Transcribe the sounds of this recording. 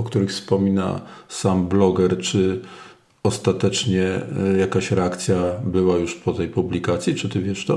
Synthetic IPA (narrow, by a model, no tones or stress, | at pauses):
ɔkt̪uɾɘxfspɔmʲina̰samblɔɡɛɾt͡ʂɘ | ɔst̪at̪ɛt͡ʂɲɛjakaɕɾɛakt̪sʲjabɘwajuʂpɔt̪ɛjpublʲikat̪sʲjit͡ʂɘt̪ɘvʲjɛʂt̪ɔ